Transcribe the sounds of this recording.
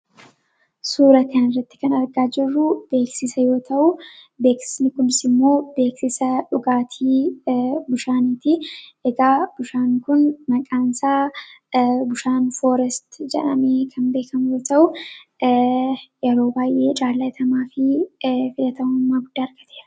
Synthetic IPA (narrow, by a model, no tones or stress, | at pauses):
suːɾɐt̪ɛnɪrːɐt̪ːɪ̥kɐnɐɾɡaːd͡ʒɪrːʊb̥e̞ːksɪsɐjo̞ːt̪ʰɐʔʊ | be̞ːksɪ̥snɪkʊnɪsɪmːo̞ːbe̞ːksɪsɐᶑʊɡaːt̪ʰiː | bʊʃaːniːt̪ɪʔɛɡaːb̥ʊʃaːŋkʊnmɐkʼaːnsaː | bʊʃaːnfo̞ːɾɛst̪d͡ʒɛ̰ᶑɐ̰meːkʰɐnbe̞ːkɐmʊjo̞ːt̪ɐʔʊ | jɛɾo̞ːbaːjʔe̞ːt͡ʃʼaːlːɐt̪ʰɐmaːfɪfɪlɐt̪ɐmʊmːaːɡʊd̪ːaːɐɾɡɐt̪eːɾɐ